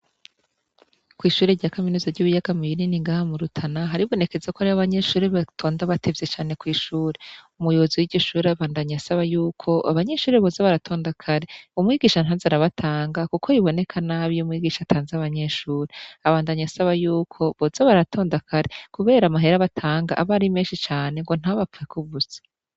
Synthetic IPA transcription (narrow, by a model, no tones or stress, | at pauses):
kwiːʃuːɾeɾɟaːkaminizavɟuβijaɡ̥amujininiŋɡaːhamuɾutʰanaɦaɾiβo̞ne̞ke̞zakoaɾiβaβaɲe̞ʃuːɾeβatʰo̞ːndaβatʰevje̞t͡ʃaːne̞kwiːʃuːɾeumujoβoziwiɾɟoʃuːɾaβaːndaɲasaβajuːkʰo̞ʔaβaɲe̞ʃuːɾeβozaβaɾatʰo̞ːndakʰaɾeumŋiːɡiːʃanazaɾaβatʰaːŋɡakukʰoiβo̞ne̞kʰanaβijomŋiːɡiːʃatʰaːnzeaβaɲe̞ʃuːɾeaβaːndaɲasaβajuːkʰo̞βozaβaɾatʰo̞ːndakʰaɾe̞kuβe̞ːɾamaɦe̞ɾaβatʰaːŋɡa̰ʔaβaɾimeːnʃit͡ʃaːne̞ŋɡo̞n̥aβafuekʰuβuze̥